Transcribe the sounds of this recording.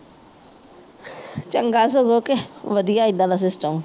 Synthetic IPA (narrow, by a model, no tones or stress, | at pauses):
t͡ʃəŋɡaːs̬oɡokeʋəd̪ijaːɪd̪ãnasɪsʈəm